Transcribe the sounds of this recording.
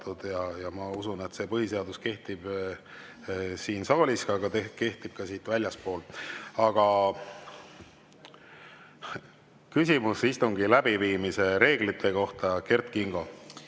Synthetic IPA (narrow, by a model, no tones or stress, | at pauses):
t̪ud̪̥jɑjɑmɑusune̞t̪ːse̞pɤɦise̞ɑd̪uske̞ht̪ib̥ | siːnsɑːlʲiskɑɡ̥ɑt̪eke̞ht̪ib̥kɑsiːt̪vælʲjɑspo̞ːlɑɡ̥ɑ | kysʲimusist̪uŋɡilæb̥iviːmise̞ɾe̞ːɡ̥lit̪ʰːe̞ko̞ht̪ɑke̞rt̪kiŋɡ̥o̞